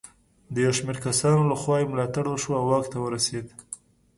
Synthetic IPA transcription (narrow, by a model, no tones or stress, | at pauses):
d̪əjawʃmeɾkasɑnolaxwɑemlɑt̪aɽwəʃuawːɑkt̪awəɾased̪